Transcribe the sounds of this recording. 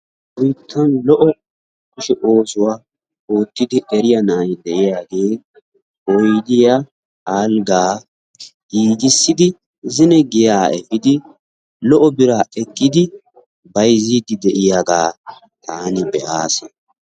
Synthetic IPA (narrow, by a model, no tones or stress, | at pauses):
ʊjt̪ʰːɐnlɔʔɔ | kʊʃɛʔoːsʊwaː | oːt̪ːɪd̪ɪʔɛɾɪjɐnaːjd̪ɛʔɪjaːɡe̞ː | ɔjd̪ɪja | aːlɡaː | iːɡɪsːɪd̪ɪ | zɪnɛɡɪjaːɛfɪd̪ɪ | lɔʔɔbɪɾaːɛkʼːɪd̪ɪ | bɐjziːd̪ɪd̪ɛʔɪjaɡaː | t̪ʰaːnɪbɛʔaːsɛ